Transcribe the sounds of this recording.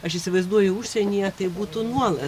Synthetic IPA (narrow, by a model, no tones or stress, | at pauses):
ɐʃisʲɪʋɐɪzd̪uɔjʊʊʃʲsʲɛnʲijɛt̪ɐɪbuːt̪ʊnuɔlˠɐ